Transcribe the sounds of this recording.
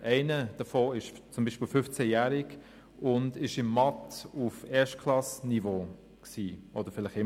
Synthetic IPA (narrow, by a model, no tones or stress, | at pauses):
ʔɛɪnəd̥əfoːɪʃt͡sʊmbiːʃpiːlfʏft͡sɛjæːɾɪk | ʊndɪʃɪmːɑtufɛːɐʃtkʰlɑsnivo | ksiːʔɔd̥əɾfɪlɪχɪm